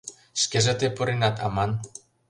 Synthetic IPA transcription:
ʃkeʒĕt̪epuɾinɑt̪ʰɑ̰mɑn

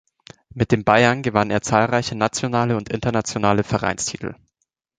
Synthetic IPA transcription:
mɪt̚d̥eːmbaɪɐnɡəvaneːɐt͡saːlʁaɪçənat͡sjonaːləʊntʔɪ̰ntɐnat͡sjonaːləfɛɐʁa̰ɪnstʰḭːtʰl̩

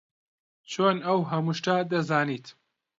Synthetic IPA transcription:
t͡ʃʰoːnɐwɦɐmuʃtad̪ɐzaːniːt̪

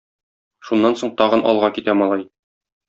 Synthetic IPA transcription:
ʃunːɑnsoɴt̪ɒʁɤ̆nʔɒ̰lˠʁɑkit̪æmɒlˠɑj

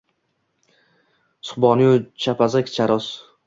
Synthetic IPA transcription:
sʊ̥χbɒnjut͡ʃʰapʰazakʲt͡ʃʰaɾɔs

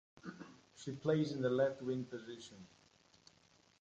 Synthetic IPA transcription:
ʃipʰl̥eɪzɨ̃nðəlɛft̚wɪ̃npɨzɪʃə̃n

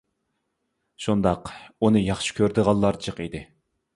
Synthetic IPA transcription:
ʃund̪ɑqunɨjɑχʃi̥kʲʰøɾd̪ɨʁɑlˠːɑɾd͡ʒəqid̪ɪ

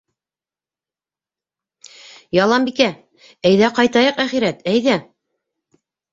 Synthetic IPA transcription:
jɑlˠɑmbikæ | æjðæqɑjt̪ɑjɤqæχiɾæt̪æjðæ

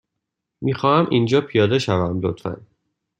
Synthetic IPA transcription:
miːxɒːhæmʔind͡ʒɒːpʰijɒːd̪e̞ʃævæmlo̰t̪fæ̰n

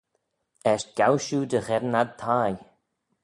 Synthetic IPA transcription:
ɛʃtɡ̥awʃuːd̪əɣɛdən̩ad̪̚t̪ʰaːj

